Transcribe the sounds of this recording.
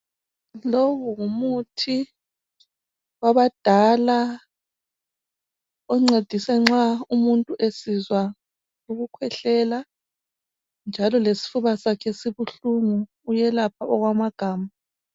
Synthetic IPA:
loβɔŋumutʰi | waβad̥ʱala | ɔŋ͡ǀed̥ʱisɛŋ͡ǁaumuntʼuʔesizwa | luɣukʰwɛɬɛla | nd͡ʒʱalɔlesi̥fuβasakʰɛsiβuɬuŋuː | jɛlapʰaɔɣwamaɡ̥ʱaːma

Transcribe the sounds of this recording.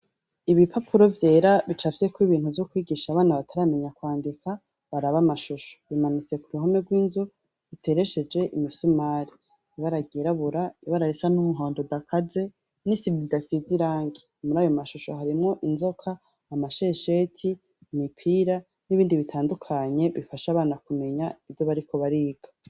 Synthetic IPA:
iβipʰapʰuɾo̞vje̞ːɾaβit͡ʃafi̥sekwiβiːn̥uvjokwiːɡiːʃaβaːnaβatʰaɾameɲakwaːndikʰa | βaɾaβamaʃuʃo̥βimanit͡se̞kuɾuɦome̞ɡwiːnzu | βitʰe̞ɾe̞ʃe̞d͡ʒe̞ʔimisumaɾi | βaɾaɡiɾaβuɾaβaɾaɾesanumuɦo̞ːndodakʰaze̞ | nisimidasiziɾaːŋɡemuɾaːjo̞maʃuʃo̞̰haɾimŋo̞ʔinzo̞kʰaː | maʃeʃe̞ːtʰi | mipʰiɾa | niβiːndiβitʰaːndukʰaɲe̞βifaʃaβaːnakume̞ɲaivjoβaɾikʰo̞βaɾiːɡ̥a

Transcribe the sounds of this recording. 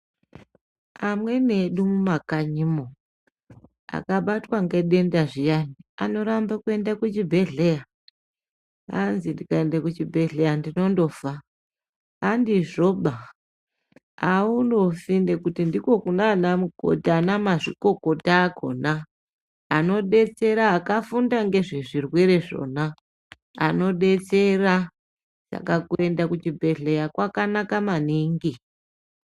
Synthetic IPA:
amwe̞ne̞ɗumumakaɲimo | a̰kaɓatwaŋɡe̞ɗe̞ndaʐijaniano̞ɾambakue̞ndakut͡ʃibʱe̞ɮe̞ja | a̰nzindikaendakut͡ʃibʱe̞ɮe̞jandino̞ndo̞faː | ndiʐo̞ɓa | aundo̞findekutindiko̞kunanamuɡʱo̞̰dʱanamaʐḭko̞ko̞taːkʰo̞̰ːnaː | no̞ɗe̞t͡se̞ɾaːkafundaŋɡe̞ʐeʐirwe̞ɾe̞ʐo̞̰na | a̰no̞ɗe̞t͡se̞ra | ʐ̥a̰kakue̞ndakut͡ʃibʱe̞ɮe̞jakwakanakamaniŋɡi

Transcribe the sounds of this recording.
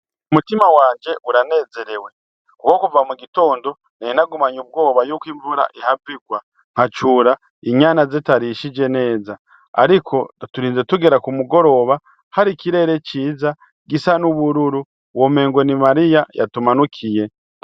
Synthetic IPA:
umutimawaːɲɟe̞ʔuɾane̞ːze̞ɾe̞we̞ | kukokuvamuɡito̞ːndo̞ | neinaɡumaɲub̚ɡo̞ːβajuːkwiːɱvuɾa̰ʔihabiɡwa | ŋ̥hat͡ʃuːɾa | iɲaːnazetaɾiʃid͡ʒe̞ne̞ːza | a̰ɾikʰo̞tuɾiːnze̞tuɡe̞ɾakumuɡo̞ɾo̞βa | haɾikiɾe̞ɾe̞ciːza | ɡisanuβuɾuɾu | wome̞ːŋɡo̞nimaɾijaja̰tumanukʰije̞

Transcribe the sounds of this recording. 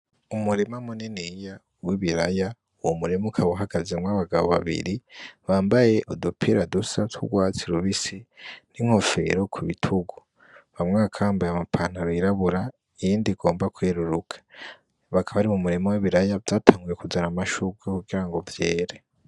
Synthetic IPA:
umuɾimamunenija | wiβiɾaja | uwomuɾimukʰaβoɦaɡazemŋaβaɡaβo̰βa̰βḭɾiβaːmbaje̞ʔodupʰiɾadusatṵɡwaːt͡siɾuβisiniŋ̥ho̞fe̞̰ɾo̞kʰuβitʰuɡu | βamŋakʰaβaːmbajamapʰanaɾiɾaβuɾa | ijiːndiɡo̞ːmbakweːɾuɾukʰḁ | βakʰaβaɾimumuɾimowiβiɾajavdaːtʰaːŋɡuje̞kuzaɾamaʃuɡwekuɡiɾaŋɡo̞vjeːɾe

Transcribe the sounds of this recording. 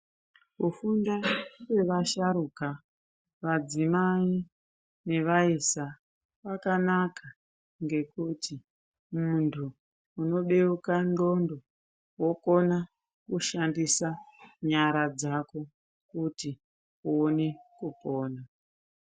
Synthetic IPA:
kufundawwe̞ʋaʃaɾuka | ʋad͡zimai | ne̞ʋaisa | ʋakanaka | ŋɡe̞kuti | muntʰuː | no̞ɗe̞ukando̞ndo̞ | wo̞ko̞na | kuʃandisaɲaɾad͡zako̞ | kuti | uonekupo̞ːna

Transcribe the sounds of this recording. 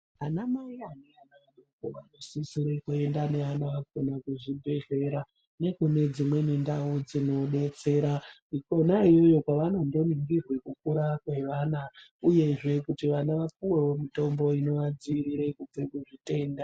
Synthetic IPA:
anamaianeanaɗokoʋano̞sisiɾe̞kue̞ndane̞anaaɡonakuʐibʱe̞ɮe̞ɾa | ne̞kune̞d͡zimwe̞nendaud͡zino̞ɗe̞t͡se̞ːɾa | ikonaijo̞jo̞kwaʋanondo̞niŋɡirwe̞kukuɾakwe̞ʋaːnauje̞ʐe̞kutiʋanaʋap̚uwewo̞mito̞mbo̞ino̞ʋad͡ziɾiɾe̞kub͡vekuʐite̞nda

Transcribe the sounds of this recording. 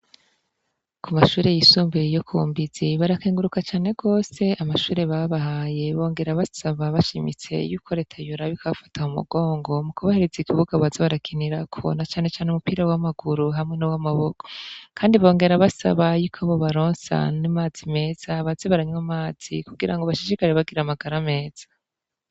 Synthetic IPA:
kʰumaʃuːɾe̞jisuːmbejokʰuːmbiz̥iβaɾakeːŋɡuɾukat͡ʃaːne̞ɡo̞ːse̞amaʃuːɾe̞βaβahaje̞βo̞ːŋɡe̞ɾaβasaβaβaʃimḭt͡se̞̰juːkʰo̞ɾe̞ːtʰajuɾaβikʰaβafḁtʰaumṵɡo̞ːŋɡo̞mukuβahe̞ɾezikʰiβuɡaβazeβaɾakʰiniɾakʰo̞̰nat͡ʃaːne̞t͡ʃaːneumupiːɾawamaɡ̥uɾuɦamŋe̞nowamaβoko̥kʰaːndiβo̞ːŋɡe̞ɾaβasa̰βajuːkʰaβo̞βaɾo̞ːnsa̰nimaːz̥ime̞ːz̥aβazeβaɾaɲwamaːz̥ḭkuɡiɾaŋɡo̞βaʃid͡ʒikaɾeβaɡiɾamaɡaɾame̞ːz̥ḁ

